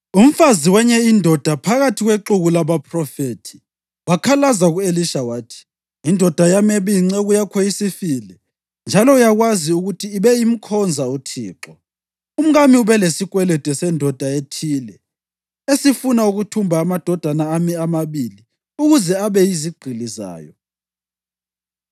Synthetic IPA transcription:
um̩faziwɛɲɛindʱɔd̥ʱapʰaɣatʰiɣweǁuɣulaβapʰrɔfetʰi̥ | wakʰalazaɣueliʃawaːtʰi̥ | indʱɔd̥ʱajamɛβiŋ͡ǀɛɣujakʰɔjisifilɛ | nd͡ʒʱalɔujaɣwaziuɣutʰiːβɛim̩kʰɔnd͡zʱautʰḭːǁɔ | um̩ɣamiuβɛlesikʼwɛlɛd̥ʼʱɛsɛndʱɔd̥ʱaetʰiːlɛ | esifunauɣutʰumbʱaːmad̥ʱɔd̥ʱanaːmiamaβili | uɣuzɛaβɛjiziɡ͡ǃʱiliza̰ːjɔ

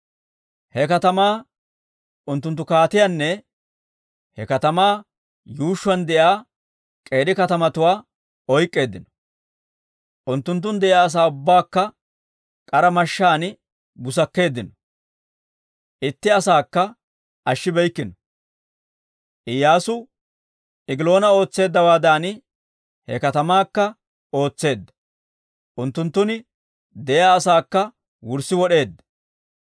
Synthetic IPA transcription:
hɛkɐt̪ɐmaː | ʔʊnt̪ːʊnt̪ːʊkaːt̪ɪjanːɛ | hɛkɐt̪ɐmaː | juːʃːʊwɐnd̪ɛʔjaː | kʼe̞ːɾɪkɐt̪ɐmɐt̪ʊwaː | ɔjkʼːe̞ːd̪ːɪnɔ̥ | ʔʊnt̪ːʊnt̪̬ːʊnd̪ɛʔɪaːs̬aːʊbːaːkːɐ | kʼɐɾɐmɐʃːaːn | bʊsɐkːe̞ːd̪ːɪnɔ̥ | ʔɪt̪ːɪɐsaːkːɐ | ʔɐʃːɪbɛjkːɪnɔ | ʔɪjaːsʊ | ɪɡɪlo̞ːnɐo̞ːt͡sːe̞ːd̪ːɐwaːd̪aːn | hɛ̰kɐt̪ɐmaːkːɐ | o̞ːt͡sːe̞ːd̪ːɐ̥ | ʔʊnt̪ːʊnt̪ːʊnɪ | d̪ɛjaːsaːkːɐ | wʊɾsɪwɔɗe̞ːd̪ːɐ̥

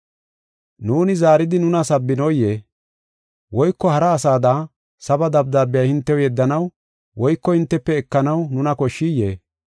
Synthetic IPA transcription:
nuːnɪzaːɾɪd̪ɪnʊnɐsɐbːɪnɔjeː | wɔjkːɔhɐɾɐːsaːd̪aː | sɐbɐd̪ɐb̚d̪aːbːɪjɐjhɪnt̪ːɛwjɛd̪ːɐnɐw | wɔjkːɔhɪnt̪ːɛpːɛːkːɐnɐwnʊnɐkɔʃːijːeː

